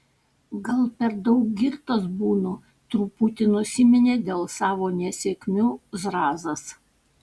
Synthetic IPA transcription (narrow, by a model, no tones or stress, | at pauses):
ɡɐlˠpʲɛɾd̪ɒʊk̚ɡʲɪɾt̪ɐsbuːno | t̪ɾuːpʊt̪ʲɪnʊsʲɪmʲɛnʲeːd̪ʲeːlˠsɑːʋoːnʲɛsʲeːkʲmʲuːzɾɑːzɐs